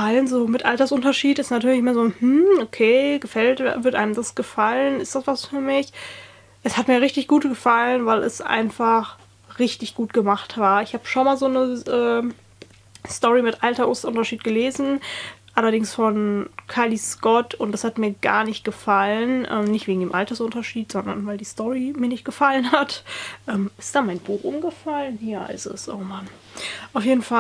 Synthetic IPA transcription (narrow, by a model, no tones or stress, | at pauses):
əalənzoːmɪtʔaltɐsʔʊntɐʃiːtɪstnatʰyːɐlɪçmeːɐzoːhm̩okʰeːɡ̥əfɛltvɪɐtʔaɪnəmdasɡ̥əfalənɪstd̥asv̥asfyːɐmɪç | ʔɛshatmiːɐʁɪçtɪçɡ̥uːtɡ̥əfalənvaɪlʔɛ̰sʔa̰ɪnfaχ | ʁɪçtɪçɡ̥uːt̚ɡ̥əmaχtv̥aːɐɪçhaːbəʃonmaːlzoːnəʔɛː | stɔʁimɪtʔaltɐʔʊsʔʊntɐʃiːt̚ɡ̥əleːzn̩ʔalɐɾɪŋsfɔnkʰaɪliskɔtʰʊntd̥ashatmiːɐɡa̰ːɐnɪçt̚ɡ̥əfalənʔɛ̰ːmnɪçtv̥eːɡŋ̩deːmʔaltɐsʔʊntɐʃiːtz̥ɔndɐnvaɪldiːstɔʁimiːɐnɪçt̚ɡ̥əfalənatʔɛːmʔɪstd̥aːmaɪnbuːxʔʊmɡəfalənhiɐaɪ̰sə̰sʔo̰ːman | ʔaʊfjeːdn̩fa